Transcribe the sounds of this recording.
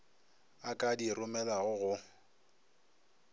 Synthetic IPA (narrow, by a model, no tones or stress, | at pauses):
akʼadirʊmɛlaɣʊɣʊ